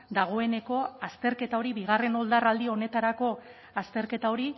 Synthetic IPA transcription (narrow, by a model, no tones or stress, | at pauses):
d̪aɣ̞o̞e̞ne̞ko̞ast̪e̞ɾke̞t̪ao̞ɾiβiɣ̞are̞no̞ld̪arald̪io̞ne̞t̪aɾako̞ | ast̪e̞ɾke̞t̪ao̞ɾi